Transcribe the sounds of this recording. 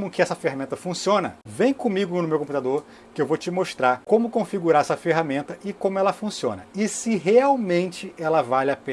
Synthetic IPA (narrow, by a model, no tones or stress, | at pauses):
mʊkɪɛsɐfehamẽnt̪ɐfũsiõnɐvẽj̃kõmiɡʊnʊmewkõput̪ad̪oɾ | kɪewvot͡ʃɪmoʃt̪ɾakõmʊkõfiɡuɾaɾɛsɐfeɦamẽnt̪ɐʔɪkõmʊɛlɐfũsiõ̰nɐɪsɪɦeawmẽnt͡ʃɪɛlɐvalap